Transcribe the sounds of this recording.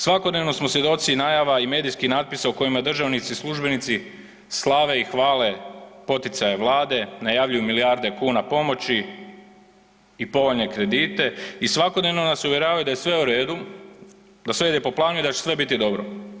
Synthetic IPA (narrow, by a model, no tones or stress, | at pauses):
sʋako̞d̪ne̞ʋno̞smosje̞d̪o̞t̪sinajaʋaime̞ːd̪ijskixnaːt̪̚pisauko̞jimad̪r̩ʒaʋnit̪sislˠuʒbe̞nit̪si | slˠaʋe̞ixʋaːle̞po̞t̪it̪sajeʋlˠaːd̪e̞najaʋʎujumiliaɾd̪e̞kuːnapo̞mo̞t͡ɕi | ipo̞ʋo̞ʎne̞kɾe̞d̪iːt̪e̞isʋako̞d̪ne̞ʋno̞nasuʋje̞ɾaːʋajud̪ajesʋe̞uɾe̞ːd̪u | d̪asʋeid̪epo̞plˠaːnuid̪at͡ɕesʋe̞bit̪id̪o̞bɾo